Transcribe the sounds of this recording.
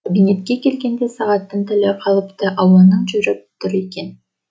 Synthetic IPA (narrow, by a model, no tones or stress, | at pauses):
kabʲinʲe̞t̪kekelɡend̪esɑʁɑt̪ːɯnt̪ʰølʲøpqɑlˠɯpt̪ɑʔɑwlˠɑnɯnd͡ʒyɾøp̚t̪ʊɾiken